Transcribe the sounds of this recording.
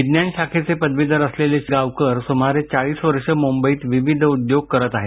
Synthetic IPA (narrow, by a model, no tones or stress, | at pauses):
id̪njaɳɕakʰet͡sepəd̪ʋid̪ʱəɾəsleleɕiɡaʋkəɾsomaɾet͡saɭiːsʋəɾʂəmumbəiːt̪ʋiʋid̪ʱəud̪joɡ̚kəɾət̪aɦe